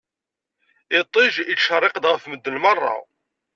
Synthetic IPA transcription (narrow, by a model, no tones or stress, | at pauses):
ɪt̪ˤːɪʒiʃərˤːɪqd̪ʁəfməd̪ːəlmərˤːɑ̰